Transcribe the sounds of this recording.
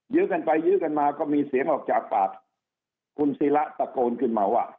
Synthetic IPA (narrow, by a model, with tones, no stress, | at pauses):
jɯː˦˥ka˧npa˧jːɯː˦˥ka˧nmaː˧kɔː˥˩miː˧si˨˩˦əŋʔɔː˨˩k̚t͡ɕaː˨˩k̚paː˨˩t̪̚ | kʰu˧nsiː˦˥la˦˥ʔsa˧koː˧nkʰɯ˧˩nma˨˧˦wʔa̰˨˩ʔ